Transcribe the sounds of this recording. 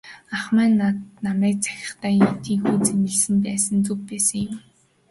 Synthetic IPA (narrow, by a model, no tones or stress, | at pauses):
aχmæːnːat̪namæːk̚t͡sʰæ̥xʲɪ̥̆χt̪ʰæːjit̪iːŋxuːt͡senɘ̆ɮsɘ̆mpæːsə̆nt͡sɵk̚pæːsə̆ŋjʊm